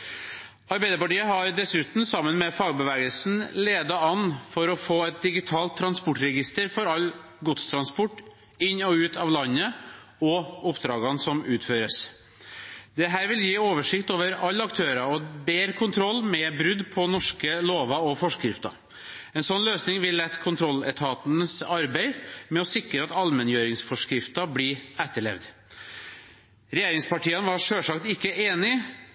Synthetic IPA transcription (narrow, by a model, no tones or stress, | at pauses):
ɑɾbæɪd̪əɾpɑʈiːəɦɑɾɖ̪ɛsʉːt̪n̩sɑmːənmɛfɑːɡbəʋæːɡəlsn̩leːd̪ɑɑnfɔɾɔfoːɛt̪̚d̪ɪɡɪt̪ʰɑːlt̪ʰːɾɑnspʊʈɾɛɡɪst̪əɾfɔɾɑlː | ɡʊt̪st̪ʰɾɑnspɔʈː | ɪnːɔʉːt̪ʰɑʋlɑnːə | ɔʊpːd̪ɾɑːɡɑnsɔmʉːt̪føːɾəs | d̪̥ɛɦæːɾʋɪljiːoːʋəʂɪkt̪oːʋəɾɑlːɑkt̪ʰøːɾɑɔbeːɾkʰʊnt̪ʰɾɔlːmɛbɾʉd̪pʰɔnɔʂkəloːʋɑɔfɔʂkɾɪft̪ɑ̰ | ɛnsɔnløːsnɪŋʋɪlːɛt̪ːkʰʊnt̪ʰɾɔlːɛ̰t̪ʰɑːt̪n̩əsɑɾbæɪmɛɔsɪkɾəɑt̪ɑlmɛnjøːɾɪŋsfɔʂkɾɪft̪ɑbliːæt̪ːəɭɛ̰ʋd̪ | ɾɛjeːɾɪŋspɑʈiːənʋɑʂøːʂɑkt̪ɪkːəʔeːnɪ